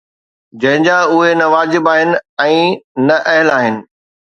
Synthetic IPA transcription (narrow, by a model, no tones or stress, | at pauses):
d͡ʑɐ̃ɦɪ̃ɲd͡ʑaʊɦenɐʋaːd͡ʑɪbaːɦɪnɪ̆ɛ̃ːnɐʔɐɦɪlaːɦɪnɪ̆